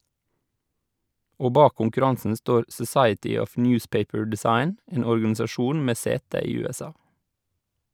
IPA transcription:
ˈoː ˈbɑː kʊŋkʉˈɾɑŋsən ˈstoːɾ sɔˈsɑɪətʏ ˈɔf ˈnjʉːspeɪpəɹ dɛˈsɑɪn ˈeːn ɔɾɡɑnɪsɑˈʃuːn ˈmeː ˈseːtə ˈiː ˌʉːɛˈsɑː

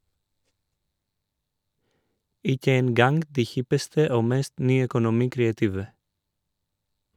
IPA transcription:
ˈɪkə ˈeːn ˈɡɑŋɡ ˈdiː ˈhɪpəstə ˈoː ˈmɛst ˈnyːœkʊˌnʊmiːkɾeːɑˌtiːʋə

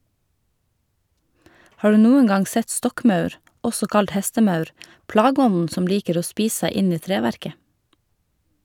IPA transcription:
ˈhɑː ˈɖʉː ˈnuːəŋ ˈɡɑŋ ˈsɛt ˈstɔkˌmɑʉɾ ˈɔsɔ ˈkɑlt ˈhɛstəˌmɑʉɾ ˈplɑːˌɡɔnn̩ ˈsɔm ˈliːkəɾ ˈoː ˈspiːs ˈsæɪ ˈɪn ˈiː ˈtɾeːʋæɾkə

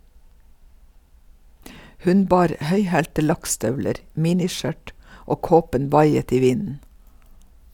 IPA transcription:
ˈhʉn ˈbɑːɾ ˈhœʏhæːltə ˈlɑkˌstœʋləɾ ˈmiːnɪˌʃœʈ ˈoː ˈkoːpən ˈʋɑɪət ˈiː ˈʋɪnn̩

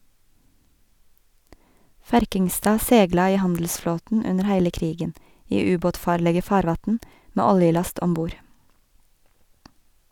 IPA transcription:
ˈfæɾkɪŋˌstɑː ˈsɛɡlɑ ˈiː ˈhɑndl̩sˌfloːtn̩ ˈʉnəɾ ˈhæɪlə ˈkɾiːɡən ˈiː ˈʉːˌboːtˌfɑːɾlɛɡɛ ˈfɑːɾˌʋɑtn̩ ˈmeː ˈɔljɪˌlɑst ɔmˈbuːɾ

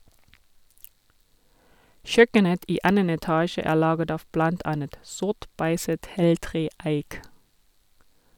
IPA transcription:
ˈçœkənət ˈiː ˈɑnən ɛˈtɑːʃə ˈæː ˈlɑːɡət ˈɑːʋ ˈblɑnt ˈɑnət ˈsʊʁt ˈbæɪsət ˈheːlˌtʁeː ˈæɪk

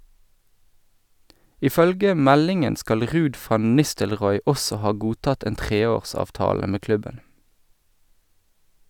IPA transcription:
ɪˈfœlɡə ˈmɛlɪŋən ˈskɑl ˈʁʉːd ˈfɑn ˈnɪstəlˌʁɔʏ ˈɔsɔ ˈhɑː ˈɡuːˌtɑt ˈeːn ˈtʁeːˌoːʁsɑːfˌtɑːlə ˈmeː ˈklʉbən

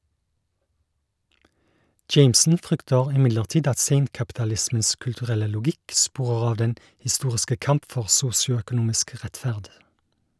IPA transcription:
ˈd͡ʒeɪmsn̩ ˈfʁʏktəʁ ɪˈmɪdləʁˌtiːd ˈɑt ˈseɪŋkɑptɑˌlɪsməns kʉltʉˈʁɛlə lʊˈɡɪk ˈspuːʁəʁ ˈɑːʋ ˈdɛn hɪˈstuːʁɪskə ˈkɑmp ˈfɔʁ ˈsuːsɪʊœkʊˌnuːmɪsk ˈʁætˌfæʁd

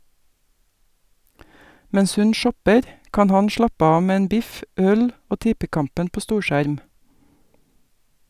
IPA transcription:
ˈmɛɲs ˈhʉn ˈʃɔpəɾ ˈkɑːn ˈhɑn ˈʃɭɑpə ˈɑː ˈmeː ˈeːn ˈbɪf ˈœl ˈoː ˈtɪpəˌkɑmpən ˈpoː ˈstuːɾˌʃæɾm

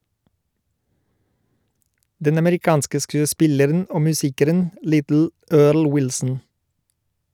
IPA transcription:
ˈdɛn ɑməɾɪˈkɑːnskə ˌskʉːəˈspɪləɾn̩ ˈoː mʉˈsiːkəɾən ˈlɪtl̩ ˈøːɭ ˈwɪlsn̩

